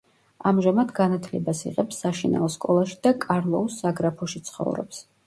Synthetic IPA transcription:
amʒamad̪ɡanat̪ʰlɛbasḭʁɛpsːaʃina̰ɔskʼɔlˠaʃi̥d̪̥akʼaɾlˠɔusːaɡɾapʰɔʃit̪sʰχɔ̰vɾɔ̰ps

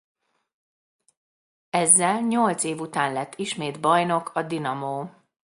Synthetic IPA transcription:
ɛzːɛlɲo̞lt̪seːvut̪aːnlɛt̪ʰːiʃmeːd̪bɒjno̞kʰɒd̪inɒmoː

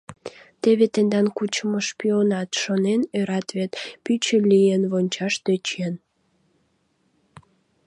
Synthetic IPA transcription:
t̪eβet̪end̪ɑnkut͡ɕəmoʃpionɑt̪ʃonenøɾɑt̪βet̪pyt͡ɕəlʲijenβonʲt͡ɕɑʃt̪øt͡ɕen

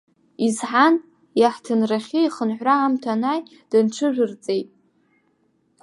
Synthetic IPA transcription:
izħan | jaħtʰɨnraχʲiiχənħʷraːmtʰanaj | d̥ɨnʈ͡ʂʰɨʒᶣʷɨrt͡sʼejtʼ

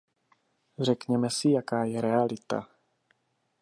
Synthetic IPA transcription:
r̝ɛkɲɛmɛsɪjakaːjɛɾɛalɪt̪a̰

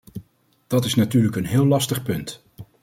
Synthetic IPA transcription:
d̥ɑtɪsnatyːɹləkənɦɪːlɑstəχpɵnt

